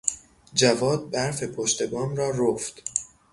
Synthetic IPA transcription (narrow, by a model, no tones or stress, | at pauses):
d͡ʒævɒːd̪̚bæɾfe̞pʰoʃt̪e̞bɒːnrɒːɾoft̪